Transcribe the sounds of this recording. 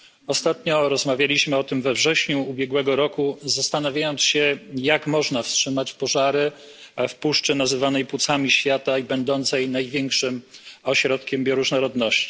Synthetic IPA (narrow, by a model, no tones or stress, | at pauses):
ɔst̪at̪ɲɔɾɔzmavʲjalʲiɕmɘɔt̪ɘmvɛvʐɛɕɲuubʲjɛɡwɛɡɔɾɔkuzast̪anavjajɔnt̪sɕɛjakmɔʐnafstʂɘmat͡ɕpɔʐaɾɘ | fpuʂt͡ʂɘnazɘvanɛjpwut̪samʲiɕfʲjat̪aibɛnd̪ɔnt̪sɛjnajvʲjɛŋkʂɘmɔɕɾɔt̪kʲɛmbʲjɔɾuʐnɔɾɔd̪nɔɕt͡ɕi̥